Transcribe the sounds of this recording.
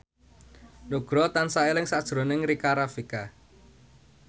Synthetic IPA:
nuɡ̥ɾɔt̪ansaelɪŋsad̥ʒ̥ɾonɪŋɾikaɾafika

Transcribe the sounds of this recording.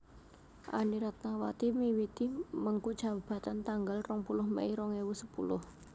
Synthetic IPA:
ʔa̰niɾat̪̚nawa̰t̪imiwit̪iməŋkud̥ʒ̥ä̤b̥a̤t̪ant̪aŋɡalrɔŋpulʊhmɛ̰iɾɔŋewusəpṵlʊ̰h

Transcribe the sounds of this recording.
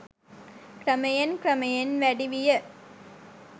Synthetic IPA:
kɾɐmɐjɐnkɾɐmɐjɐnʋɐɽiʋijɐ

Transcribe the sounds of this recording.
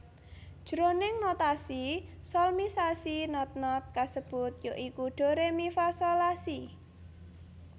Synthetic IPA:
d̥ʒ̥ɾonɪŋnot̪asi | sɔlmisasinɔt̪̚nɔt̪̚kasəb̥ʊt̪̚joʔikuɖ̥o̤ɾemifasolasi

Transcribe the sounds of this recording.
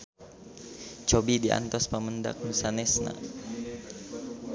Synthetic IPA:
t͡ʃobidiʔa̰nt̪ɔspəmənda̰k̚musanɛsna̰

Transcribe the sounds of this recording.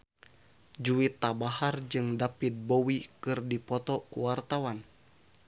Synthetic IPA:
d͡ʒuit̪ːabahard͡ʒɨŋdapit̪̚bowikɨrdipɔt̪ɔkuwart̪awan

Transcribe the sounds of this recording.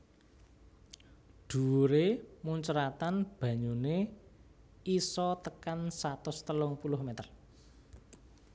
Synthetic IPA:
ɖ̪̥ṳɾemuɲt͡ʃɾat̪anb̥ä̤ɲune | isɔt̪əkansat̪ʊst̪əlʊŋpulʊhmet̪ər

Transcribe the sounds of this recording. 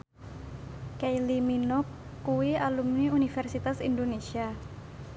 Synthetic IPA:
kajliminɔkː | uwialumniunifɛrsit̪asḭndonesia

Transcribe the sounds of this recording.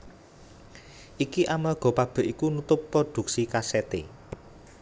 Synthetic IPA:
ʔikiʔamarɡ̥ɔ̤pab̥ə̤ʔikunut̪ʊpːɾod̪̥ṳk̚sikaset̪ḛ

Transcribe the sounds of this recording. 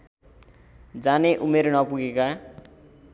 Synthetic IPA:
d͡zaneʔumeɾnʌpuɡeka

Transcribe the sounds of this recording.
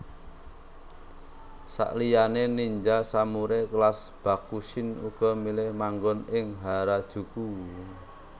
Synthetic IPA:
sa̰ʔlijaneniɲd͡ʒasamuɾeklasb̥a̤kusɪnuɡ̥ɔ̤milɪhmaŋɡɔnɪŋɦaɾad̥ʒ̥ṳku

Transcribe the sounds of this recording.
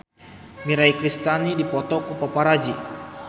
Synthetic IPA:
miɾaikɾist̪anidipɔt̪ɔkupapaɾad͡ʒi

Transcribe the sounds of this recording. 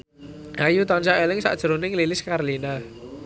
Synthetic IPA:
ʔajut̪ɔnt͡ʃaʔelɪŋsa̰ʔd̥ʒ̥əɾonɪŋlilɪskaɾlina

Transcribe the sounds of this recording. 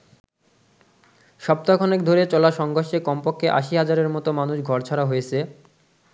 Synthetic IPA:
ʃɔb̚t̪akʰɔnek̚d̪ʱoɾet͡ɕɔlaʃɔŋɡʱoɾʃekɔmpokʰːeʔa̰ʃiɦad͡ʑaɾeɾmɔt̪omanuʃɡʱɔɾt͡ɕʰaɾaɦojet͡ɕʰe

